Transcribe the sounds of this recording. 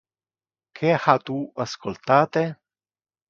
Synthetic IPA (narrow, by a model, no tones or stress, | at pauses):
kʰehat̪uaskolt̪aːt̪e